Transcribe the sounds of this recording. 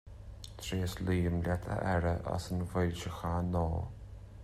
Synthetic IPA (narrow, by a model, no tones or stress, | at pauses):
t̪ʰɾeːsliːəmlʲat̪ʰə̰ʔɛɾəʔa̰sənvɪlʲt͡ʃəxanɔː